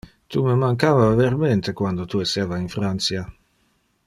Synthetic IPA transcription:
t̪uməmaŋkaːvaveɾment̪ekwand̪ot̪ueseːvainfɾant̪sja

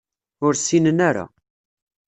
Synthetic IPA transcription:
ʊɾsinənaɾa̰

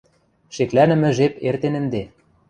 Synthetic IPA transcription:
ʃeklænɘ̆mɘ̆ʒepert̪enɘ̆nd̪e

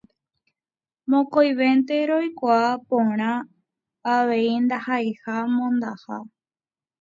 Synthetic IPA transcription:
mõ̞kojʋe̞nt̪e̞ɾo̞jkʷaːpõ̞ɾ̃ã | aʋe̞ind̪ahajhamõnd̪aha

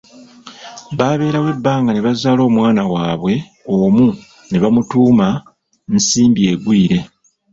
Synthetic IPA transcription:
βaːβe̞ːɾawe̞bːaːŋɡaneβazaːlo̞ːmwaːnawaːβwe̞ | omu | neβamutuːma | nsiːmbije̞ɡwiːɾe̞

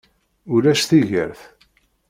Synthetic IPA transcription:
ʊɾæʃθiʝə̰ɾθ

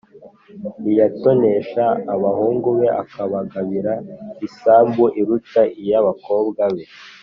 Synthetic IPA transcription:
ijato̞ne̞ʃaːβahuːŋɡuβe̞ʔakaβaɡaβiɾaisaːmbuʔiɾutaʔijaβako̞ːbɡaβe̞

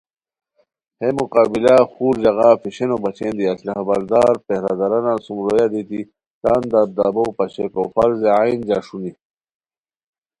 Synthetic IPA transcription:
hemuqaːbilaxuːɾd͡ʑɐɣɑfiɕenobɐt͡ɕeːnd̪iɐslaɦabɐɾd̪aːɾpehɾad̪aɾanasumɾojad̪it̪i | t̪aːnd̪ab̚d̪abowpɐɕekofalzeajnd͡ʑaːʂuni

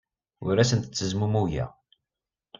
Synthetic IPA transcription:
ʊɾæsənt̪ə̥t͡sːəzmumuʝæ̰

